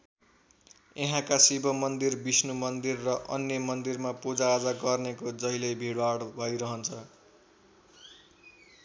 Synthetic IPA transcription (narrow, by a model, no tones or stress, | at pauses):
eɦãkasibʱʌmʌnd̪irbisnumʌnd̪irːʌʔʌnjʌmʌnd̪irmapud͡zaːd͡zaɡʌrnekod͡zʌɦilʌjbʱiɽwaɽbʱʌjɾʌɦʌnt͡sʰʌ